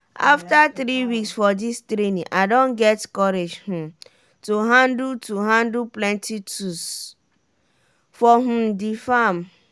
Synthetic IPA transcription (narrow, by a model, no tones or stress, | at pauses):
ʔa̰ftaθɾiwiksfɔdistɾenĩʔadõnɡɛtkɔɾed͡ʒhũ | tuɦãndtuɦãndlplɛ̃ntitus | fɔɦ̩difam